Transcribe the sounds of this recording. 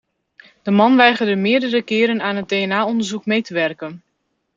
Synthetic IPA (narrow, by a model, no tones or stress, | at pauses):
d̥əmɑnʋɛjχərdəmɪːədərəkɪːɾənaːnɦət̚dejɛnaːɔndəɹzukmejtəʋɛrkən